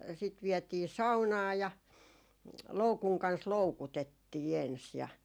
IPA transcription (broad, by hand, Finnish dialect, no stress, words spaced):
sit ʋiɛtiː sɑunɑː jɑ loukuŋ kɑns loukutetːiː ens jɑ